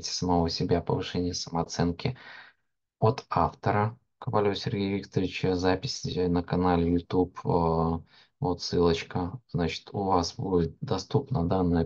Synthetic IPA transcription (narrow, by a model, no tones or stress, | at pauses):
tʲɪ̥səmɐvosʲɪbʲapəvɨʂɛnʲɪjəsəməɐt̪sɛnkʲɪ | ot̪aft̪əɾə | kəpɐlʲosʲɪrɡʲejvʲik̚t̪əɾʲɪt͡ɕəzapʲɪ̥sʲnəkɐnalʲɪjʊt̪ʲupː | vot̪sɨlˠət͡ɕkəznat͡ɕɪ̥t̪ʊvasbud͡zʲɪt̪̚d̪ɐst̪upnəd̪anːə